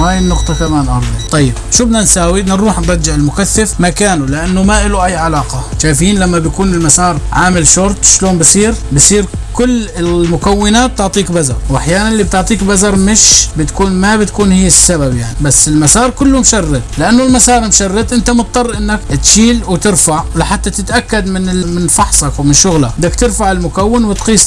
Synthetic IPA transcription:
waːjɪnːʊqt̪ˤɑkamaːnʔɑ̰ɾˤd̪ˤit̪ˤɑjːɪb̚ʃuːbnansaːwiʔɪnːɪnɾuːħnɾˤɑd͡ʒːɪʕɪlmʊkaθːɪfmakaːnulɪʔanːʊmaʔɪluʔajːʕalɑːqɑʃaːjfiːnlamːabjkuːnɪlmasɑːɾˤʕaːmɪlʃʊɾˤt̪ˤʃloːnbɪsˤiːɾbɪsˤiːɾkʊlːɪmʊkawːɪnaːt̪̚ːʊʕt̪ˤiːkbazɑ̰ɾˤwʔaħjaːnanʔɪlːib̚t̪ɪʕt̪ˤiːkbazɑɾˤmɪʃbɪt̪kuːnmabɪt̪kuːnhiːɪsːababjaʕnibasːɪlmasɑːɾˤkʊlːumʃɑrːɪt̪lɪʔanːʊlmasɑːɾˤmʃɑrˤːɪt̪ʔɪnt̪amʊt̪̚ˤːɑrˤːʔɪnːak̚t̪ʃiːlwt̪ɪɾfaʕlɪħat̪ːat̪ɪt̪ʔakːad̪mɪnɪmɪnfɑħsˤɑkwmɪnʃʊɣlad̪akt̪ɪɾfaʕɪlmʊkawːɪnwɪt̪qiːsˤ

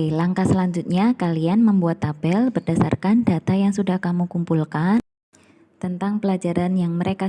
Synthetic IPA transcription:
laŋkasəlaɲd͡ʒut̪̚ɲakalianməmbuat̪ːabɛlbərdasa̰rkandat̪ajaŋsudahkamukumpulka | t̪ənt̪aŋpəlad͡ʒaɾanjaŋməɾeka

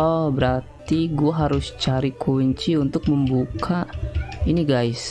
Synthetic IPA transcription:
ɔbəɾart̪iɡuaɦaɾʊst͡ʃaɾikʰuɲt͡ʃiunt̪ʊk̚məmbukʰainiɡajs

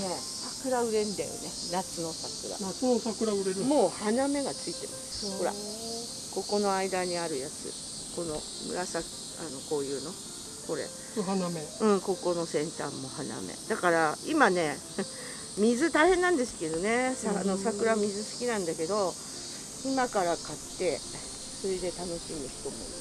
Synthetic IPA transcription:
ne̞ | sakɯ̟ɾaɯ̟ɾe̞nd̪a̰jo̰ne̞nat͡sɨno̞sakɯ̟ɾa̰naosakɯ̟ɾaɯɾeɾmo̞ːhaname̞ɡat͡sɨit̪e̞masɨ̥ho̞ɾa̰ | ko̞ko̞no̞aid̪aɲ̟iaɾɯ̟jat͡sɨ̰ | ko̞no̞ | mɯ̟̰ɾasak | a̰no̞ko̞ːjɯ̟ːno̞ | ko̞ɾe̞̰ | hnameɯ̟̃ɴko̞ko̞no̞sẽ̞nt̪a̰mːo̞hana̰me̞̰d̪̥akaɾaimane̞ | mʲizɨt̪aihẽ̞nːãnd̪e̞sɨ̥ke̞d̪one̞sano̞sakɯ̟ɾamʲizɨsɨ̥kʲinãnd̪ake̞d̪o̞ | imakaɾakat̪ːe̞ | so̞ɾe̞d̪e̞t̪ano̞ɕimɯ̟çi̥t̪o̞mo̰

